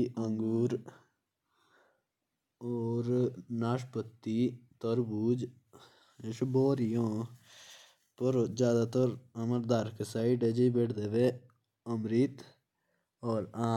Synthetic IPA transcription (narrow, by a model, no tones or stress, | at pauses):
əŋɡuːɾ | ɔːɾnaːʃpət̪ːit̪əɾbuːd͡ʒ | ʃboːɾijõː | pəɾd͡ʒjaːd̪aːt̪əɾəməɾd̪aːɾkesaːiʈed͡ʒibeːʈʰd̪eːʋeː | əmɾiːt̪ | ɔːɾãː